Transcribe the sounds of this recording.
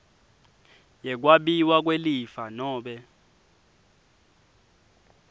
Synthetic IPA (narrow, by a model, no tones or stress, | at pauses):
jɛk̬waɓiwak̬welifanɔːɓɛ